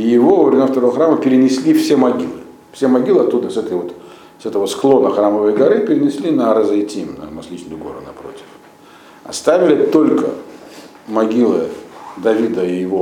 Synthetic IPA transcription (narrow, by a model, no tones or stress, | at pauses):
ijɪvo̞ɐvɾʲɪmʲaft̪ɐɾo̞vəxɾaməpʲɪɾʲɪnʲɪsʲlʲifsʲemɐɡʲilˠɨ | fsʲemɐɡʲilˠɨɐt̪ːud̪əsɛt̪əjvo̞t̪ | sɛt̪əvəsklˠo̞nəxɾaməvəjɡɐɾɨpʲɪɾʲɪnʲɪsʲlʲinɐɾɐzɐjtʲimnɐ̰mɐskʲit͡ɕnɨjʊɡo̞̰ɾʊ̰nɐpɾo̞̰tʲɪ̥f | ɐ̰st̪avʲɪlʲɪt̪o̞lʲkə̰ | mɐɡʲilˠɨd̪ɐvʲid̪əɪjɪvo